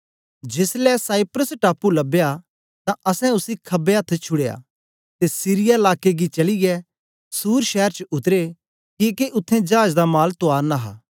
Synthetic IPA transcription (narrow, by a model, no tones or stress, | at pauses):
d͡ʒeːslɛsaːɪpɾəsʈaːpːulɐbeja | t̪ãɐsɛ̃ʊsikʰɐbeɐt̪ʰːt͡ʃʰʊɽeːa̰ | t̪esiːɾɪjaɪlaːkːeɡit͡ʃɐliɡɛ | suːɾʃɛːəɾt͡ʃʊt̪əɾe | kikeʔʊt̪ʰːẽd͡ʒaːd͡ʒd̪amaːlt̪ʊaːɾnaɦa̰ː